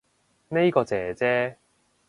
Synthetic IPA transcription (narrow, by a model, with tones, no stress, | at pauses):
ne˥jkɔː˧t͡sɛː˨˩t͡sɛː˥